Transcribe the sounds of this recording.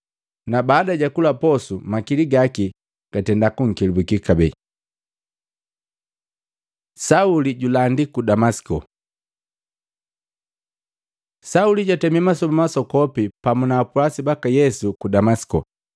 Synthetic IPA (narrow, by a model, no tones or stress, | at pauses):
nabaːdaɟakulapɔsumakiliɡaki | ɡ̥atɛndakuŋ̩kilibukikabɛ | sauliɟulandikudamasi̥kɔ | sauliɟatɛmimasɔmamasɔkɔpipamunaːpuasibakajɛsukudamasi̥kɔ